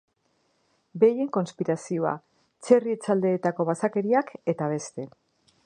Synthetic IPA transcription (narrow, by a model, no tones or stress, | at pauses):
be̞je̞ŋko̞nspiɾasioa̰ | t͡se̞rie̞t͡sald̪e̞ːt̪ako̞β̞asake̞ɾiake̞t̪aβ̞e̞st̪e̞